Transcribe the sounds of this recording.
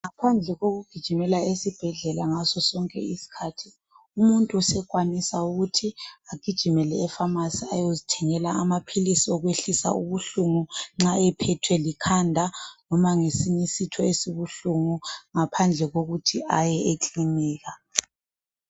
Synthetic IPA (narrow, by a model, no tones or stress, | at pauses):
ŋapʰand͡ɮʱɛɣoɣuɡ̥ʱid̥ʒ̥ʱimɛlaesib̥ʱɛɮɛlaŋasɔsɔŋkʼɛ̰isi̥kʰatʰi | umuntʼuusɛkwanisauɣutʰiaɡ̥ʱid̥ʒ̥ʱimɛlɛːfamasiajozitʰɛŋɛlaːmapʰilisiɔɣweɬisa̰uβuɬuŋuŋ͡ǁaɛpʰɛtʰwɛlikʰandʱanɔmaŋesiɲisitʰɔesiβuɬuŋuŋapʰand͡ɮʱɛɣoɣutʰiʔajɛʔekʼiniːɣa